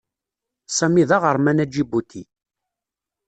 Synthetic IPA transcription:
sæmiðɑʁəɾˤmænæd͡ʒibut̪ʰi

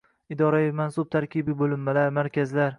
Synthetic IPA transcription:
ɪd̪ɒɾajɪfmansʊb̚t̪ʰaɾkʲʰibɪbolɪmːalaɾmaɾkʲazlaɾ

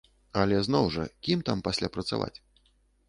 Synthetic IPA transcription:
ɐlʲɛznɔwʐɐ̰kʲimt̪ampasʲlʲapɾɐt̪sa̰va̰t͡sʲ

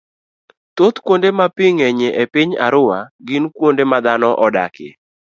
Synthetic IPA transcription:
t̪ot̪kwondemapɪŋeɲeʔepɪɲa̰ɾʊwaɡɪnkwondemad̪anɔʔɔda̰kɪ̰

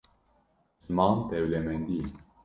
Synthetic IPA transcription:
smamt̪ɛwlɛmɛnd̪i

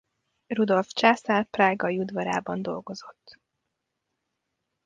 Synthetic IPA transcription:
rud̪o̞lft͡ʃaːsalpraːɡɒjud̪vɒɾa̰ːbɒnd̪o̞̰lɡo̞zo̞t̪ː

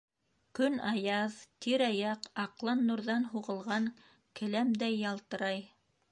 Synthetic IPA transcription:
kɵnɑjɑðt̪iɾɑjɑqɑqlˠɑnːuɾðɑnɦuʁɤ̆lˠʁɑŋ | kɘ̆læmd̪æjːɑlˠt̪ɤ̆ɾɑj

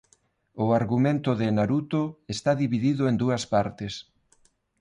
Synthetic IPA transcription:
ʊaɾɣumẽnt̪ʊðɪnaɾut̪ʊest̪aðiβiðiðʊend̪uɐspaɾt̪ɪs

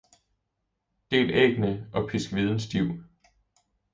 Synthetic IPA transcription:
d̥e̝̰ːlḛːɡ̥nəʔɒ̽pʰisɡ̥ʋið̞ˠn̩sd̥iʊ̰

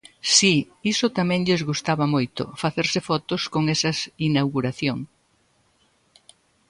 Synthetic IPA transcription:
si | isʊt̪amɛ̃ŋʎɪzɣust̪aβɐmojt̪ʊ̰faθeɾsɪfɔt̪oskoŋɛsɐsinawɣuɾaθjoŋ

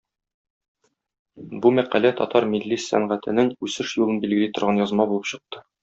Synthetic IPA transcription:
bumæqælæt̪ɒ̰t̪ɑɾmilːisːæ̰ɴʁæt̪ɘ̆nɘŋʉsɘʃjulˠɤnbilɡɘ̆lit̪ŏɾʁɑnjɒzmɑbulˠɤpɕɤ̆q̚t̪ɤ̥

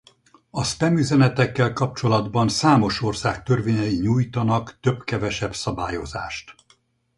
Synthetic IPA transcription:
ɒst̪ɛmyzɛnɛt̪ɛkːɛlkɒp̚t͡ʃo̞lɒd̪bɒnsaːmo̞ʃo̞rsaːk̚t̪ørveːɲɛjiɲuːjt̪ɒnɒkt̪øbkɛvɛʃɛbsɒbaːjo̞̰za̰ːʃt̪

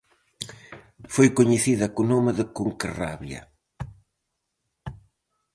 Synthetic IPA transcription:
fojkoɲeθiðɐkunomɪðɪkuŋkera̰βjɐ̰

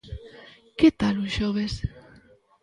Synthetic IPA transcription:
ket̪aluʃoβes

